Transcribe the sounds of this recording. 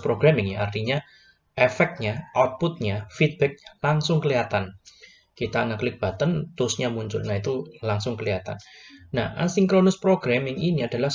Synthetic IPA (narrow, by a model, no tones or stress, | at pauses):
pɾoɡ̥ɾamɪŋjaart̪iɲa | efɛk̚t̪̚ɲaʔawt̪̚put̪̚ɲafit̪̚b̥ɛk̚ɲalaŋsʊŋkəliat̪an | kit̪anəklɪk̚b̥a̤t̪ənt̪ʊsɲamuɲt͡ʃʊ̰lnait̪ulaŋsʊŋkəliat̪a̰nnaha̰siŋkɾonʊspɾoɡɾamɪŋiniad̥a̤lah